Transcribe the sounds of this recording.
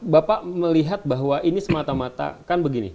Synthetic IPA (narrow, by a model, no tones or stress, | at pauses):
bapaʔməliɦat̪̚baɦwaʔinisəmat̪amat̪a̰kanbəɡinḭ